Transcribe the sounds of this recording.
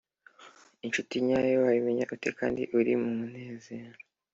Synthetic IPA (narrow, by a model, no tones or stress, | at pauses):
int͡ʃutiɲajowajimiɲaʔutekaːndḭʔuɾimumun̥e̞ːzeɾa